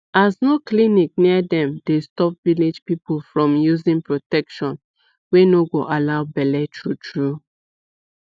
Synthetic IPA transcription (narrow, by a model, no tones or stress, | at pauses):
aznoklinik̚niədɛ̃mdestɔp̚viled͡ʒpipolfɹɔ̃mjuzĩŋpɹotɛkʃɔ̃n | wenoɡoʔalaʊbɛlɛtɹutʰɹu